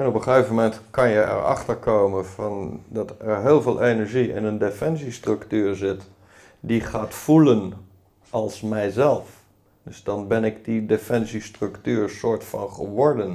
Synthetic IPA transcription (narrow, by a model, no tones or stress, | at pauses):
ɛnɔpəχefmomɛntkɑnjəɛ̰ɹɑ̰χtəɹkowmənvɑndɑtɛɹɦɪːlˠveːlˠʔenɛɹʒiɪ̰nəndefɛnsistrɵktyːɹzɪt | diχaːtfulən | ʔɑlˠsmɛjzɛlˠf | d̥ɵzdɑnbɛnɪɡdidefɛnsistrɵktyːɹsʊːɹtfɑ̰nχəʋɔɹdən